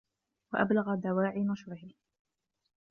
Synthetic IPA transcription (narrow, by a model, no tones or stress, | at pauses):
waʔa̰blaɣad̪awaːʕiːnɑʃɾɪhɪ